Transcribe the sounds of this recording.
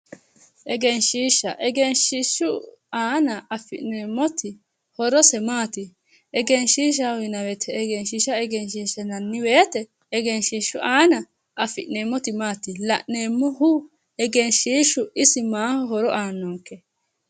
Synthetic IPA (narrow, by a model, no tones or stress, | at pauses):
ʔɛɡɛnʃiːʃɐʔɛɡɛnʃɪʃːʊ | aːnɐɐfːɪ̰ʔneːmːɔt̪ɪ | hɔɾɔsɛmaːt̪ɪ | ʔɛɡɛnʃiːʃ̬awɪnɐwɛt̪ʰɛːɡɛnʃiʃɐɛɡɛnʃiːʃɛnɐnːɪweːt̪ɛː | ɡɛnʃiːʃʊʔaːnɐ | ʔɐfɪʔneːmːɔt̪ɪmaːt̪ɪlɐʔne̞ːmːɔhʊ | ɛɡɛnʃiːʃʊɪsɪmaːhɔɦɔɾɔʔaːnːoːŋkːɛ